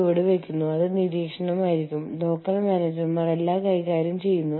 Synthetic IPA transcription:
iʋiɽeʋekʲːunːuɐðɨniɾiːkʂɐɳɐmaːjiɾikʲːumlo̞ːkːɐrmjaːneːd͡ʑɐrumɐrelːaːkɐjkaːɾjɐmt͡ɕe̞jːunːu

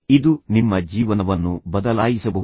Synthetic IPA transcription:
id̪unimːɐd͡ʒiːʋɐnɐʋɐnːubɐd̪ɐlaːjisɐbɐ

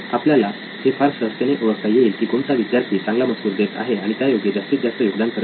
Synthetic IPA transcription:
apljala | hefaɾsɾəst̪eneʔoʋək̚t̪ajeiːlkiːkoɳt̪aʋid̪jaɾt̪ʰiːt͡sãŋɡlaməsuːɾd̪et̪a̰ɦeaɽ̃it̪jajoɡjed͡ʑast̪ʰiːt̪̚d͡zast̪əjuɡd̪ant̪ʰəɾ

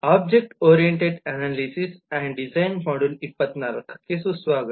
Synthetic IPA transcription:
ab̚d͡ʑek̚ʈoɾijeɳʈeɖænalisisɛ̃ɳɖid͡zajnfaɽunipːət̪naɾɐkʰkesusʋaɡət̪

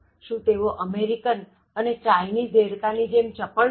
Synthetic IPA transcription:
ʃũt̪eʋoʔəmeɾikən | ənet͡ʃajnid̪eɽkanid͡ʒemt͡ʃəpə

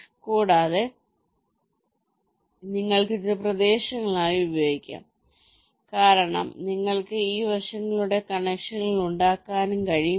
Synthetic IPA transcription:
kuːɽaːðe | niŋːɐɭkit̪ːɨprɐd̪e̞ːɕɐŋːɐɭaːjiubɐjoːɡikʲːa̰ːm | kaːɾɐɳɐ̰mniŋːɐɭkɨiːʋɐʂɐŋːɐɭuɽe̞kɐɳekʂɐnːiɭuɳɖaːkːaːnumkɐɻij

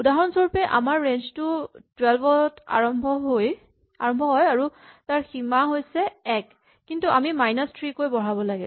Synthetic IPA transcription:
udaɦɔnsɔɹupɛʔa̰maɹːend͡ʒtʊtwɛlbɔta̰ɹɔmbʱɔɦoj | aɹɔmbʱɔɦɔjaɹutaɹximaɦojsɛɛkː | intuʔamimajnastɹikojbɔɹabɔlaɡɛ̰

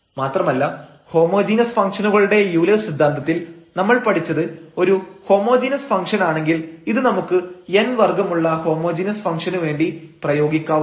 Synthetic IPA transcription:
maːt̪rɐmɐlːɐ | ho̞ːmo̞ːd͡ʑiːnɐsfɐŋkʂɐnuɣɐɭuɽe̞juːlesid̪ʱːaːnd̪ɐt̪ːilnɐmːɐɭpɐʈʰit͡ɕːɐðɨo̞ɾuho̞ːmo̞ːd͡ʑinɐsfɐŋkʂɐnaːɳe̞ŋɡiliðɨnɐmukːɨenʋɐrɡɐmuɭːɐho̞ːmo̞ːd͡ʑinɐsfɐŋkʂɐnuʋe̞ːɳɖiprɐjo̞ːɡikʲːaː

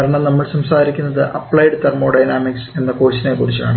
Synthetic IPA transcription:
ɐɾɐɳɐmnɐmːɐɭsɐmsaːɾikʲːunːɐðɨʔɐpːɭɐjeɽɨt̪ːɐrmo̞ːɖɐjnaːmikse̞nːɐkoːɕinekuɽit͡ɕːɐa̰ːɳɨ

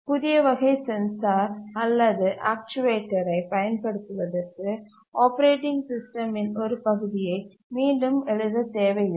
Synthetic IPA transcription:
pʊðɪjɐʋɐɣɐɪsɛnsaːɾɐlːɐðɯʔaːk̚t͡ʃʊʋeːʈːɐɾɐɪpɐjɐnpɐɽɯt̪ːɯʋɐðɐɾkɯ | ʔoːpɐɾeːʈɪŋɡsɪsʈɐmɪnɔɾɯpɐɣɯðɪjɐɪ | miːɳɖɯmɛɻɯðɐt̪eːʋɐjɪ

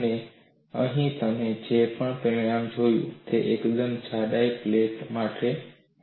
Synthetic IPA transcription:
nẽ | ə̃ɦĩt̪əmẽd͡ʒeːpəɳ̃pẽãːmd͡ʒʱoːjṵ̃t̪eʔeːkd̪ənt͡ɕʰaːɗaːipleːtmaːʈʰeː

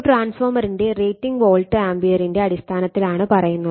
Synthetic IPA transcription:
ʈraːnsfoːmɐɾinde̞reːjtːiŋɡʋoːlʈɨaːmbijɐɾinde̞ɐɽist̪ʰaːnɐt̪ːilaːɳɨpɐrɐjunːɐð

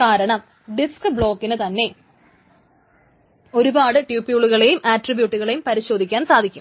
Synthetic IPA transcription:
kaːɾɐɳɐm | ɖiskɨbɭo̞ːkːinɨt̪ɐnːe̞ | o̞ɾubaːɽɨʈjuːpːijuɭuɣɐɭejumʔaːʈribjuːʈːuɣɐɭe̞jumpɐɾiɕo̞ːd̪ʱikʲːaːnsaːd̪ʱikʲːum

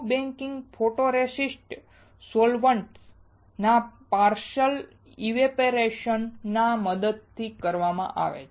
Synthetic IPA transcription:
bɛ̃ŋkɪŋɡfʰoʈoɾesisʈ | solʋəɳʈs | napaɾʃəl | iʋepeɾeʃənːaməd̪əd̪̚t̪ʰikəɾʋamã̰ʔa̰ʋḛ

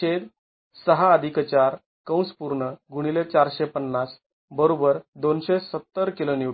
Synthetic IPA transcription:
ed̪ | səɦaəd̪ʱikt͡ɕaɾ | kə̃w̃spuɾɳəɡʱuɽ̃ilet͡ɕaɾɕepənːas | bəɾobəɾd̪onɕesət̪ːəɾkiloni

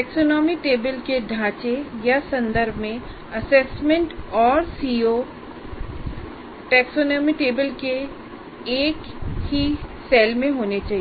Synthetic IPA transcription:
ʈɛːksoːnɔːmiʈeːbəlkeɖʱãːt͡ʃejasɐ̃nd̪əɾbʱmẽ | ɐsɛːsmẽɳʈɔːɾsiːoː | ʈɛːksoːnɔːmiʈeːbəlkeː | kɦisɛːlmẽɦoːnet͡ʃaːɦi

